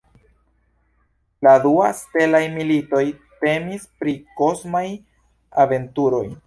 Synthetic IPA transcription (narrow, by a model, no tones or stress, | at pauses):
laduaste̞lajmilito̞jte̞mispɾiko̞smaj | ave̞ntuɾo̞j